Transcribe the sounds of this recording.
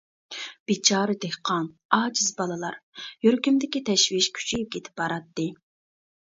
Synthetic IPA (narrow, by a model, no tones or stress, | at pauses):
b̥it͡ʃʰɑːɾɨd̪ehqʰɑn | ɑːd͡ʒizbɑlˠɨlˠɑɾjøɾkʲymd̪ɪkʲit̪ʰɛʃviʃkʲʰy̥t͡ʃʰijp̚kʲʰet̪ʰɪ̥p̚bɑɾɑt̪ːɨ